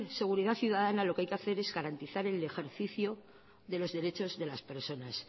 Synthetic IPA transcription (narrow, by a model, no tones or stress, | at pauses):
se̞ɣ̞uɾiðaθjuðaðanalo̞keajkeaθe̞ɾe̞zɣaɾant̪iθaɾe̞le̞xe̞ɾθiθjo | ðe̞lo̞zðe̞ɾe̞t͡ʃo̞zðe̞laspe̞ɾso̞nas